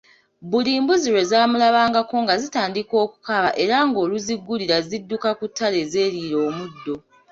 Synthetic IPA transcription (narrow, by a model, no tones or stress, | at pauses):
buliːmbuziɾe̞zaːmulaβaːŋɡako̞ŋɡazitaːndiko̞ːku̥kaβaʔe̞ɾaŋɡo̞ːluziɡːuliɾazidːukakutːale̞ːze̞ːɾiːɾo̞ːmudːo̞